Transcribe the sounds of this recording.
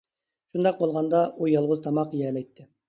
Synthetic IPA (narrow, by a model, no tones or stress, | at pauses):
ʃund̪ɑq̚bolˠʁɑnd̪ɑujɑlˠʁʊzt̪ʰɑmɑqjɛːlɛjt̪ʰːɪ